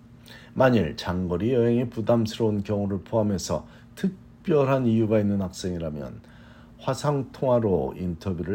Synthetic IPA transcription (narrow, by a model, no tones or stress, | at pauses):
maɲiɭt͡ɕaŋɡʌɾijʌɦe̞ŋepudamsʰɯɾʌunkjʌŋuɾɯɭpʰoɦame̞sʰʌ̰ | tʰɯk̚ | p͈jʌɾɦanijuɡainːɯnɦak̚s͈e̞ŋiɾamjʌ̰n | ɸwasʰaŋtʰoŋɦaɾointʰʌbjuɾɯ